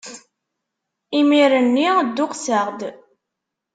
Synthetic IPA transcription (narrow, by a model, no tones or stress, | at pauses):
imiɾənːid̪ːʊqsəʁd̪